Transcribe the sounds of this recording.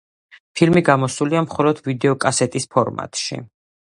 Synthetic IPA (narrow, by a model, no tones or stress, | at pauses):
pʰilmiɡamɔsuliamχɔlˠɔd̪̥vid̪ɛɔkʼasɛt̪ʼispʰɔɾma̰t̪ʼʃḭ